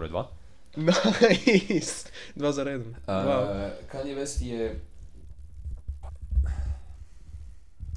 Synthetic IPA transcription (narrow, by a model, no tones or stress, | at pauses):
ɾɛ̰d̪va | na | st̪ | d̪vazɛɾɔjɛd̪ɛnawawkaɲɛvɛsjɛ